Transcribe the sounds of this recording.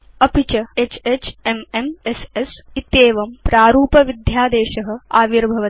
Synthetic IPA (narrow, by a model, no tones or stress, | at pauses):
ɐpit͡ʃɐet͡ʃeːt͡ʃememesesit̪eːʋɐmpɾaːɾuːpɐʋid̪ʱjaːd̪eːʃɐɦɐ̆aːʋiɾbʱɐʋɐ